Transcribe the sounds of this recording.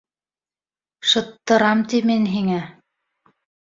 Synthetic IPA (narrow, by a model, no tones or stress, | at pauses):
ʃɤ̆t̪ːɤ̆ɾɑmt̪iminɦiŋæ